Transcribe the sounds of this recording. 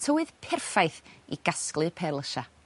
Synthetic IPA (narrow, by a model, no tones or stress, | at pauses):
tʰəwɨð̥pʰɛrfajθḭɡ̥asklˠɨpʰɛlˠəʃa